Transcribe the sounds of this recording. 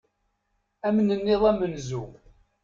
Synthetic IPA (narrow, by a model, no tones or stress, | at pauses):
æmnənːɪðˤæmənzu